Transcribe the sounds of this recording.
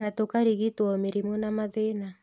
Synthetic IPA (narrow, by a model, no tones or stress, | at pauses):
natokaɾiɣitwɔmeɾimunamaðena